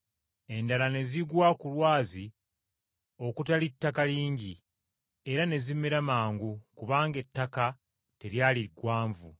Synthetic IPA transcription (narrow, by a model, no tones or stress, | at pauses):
e̞ndalane̞ziɡwakulwaːzi | o̞kutalitːakaliːɲɟi | e̞ɾane̞zimeɾamaːŋɡukuβaːŋɡe̞tːaka | te̞ɾjaːliɡwaːɱvṵ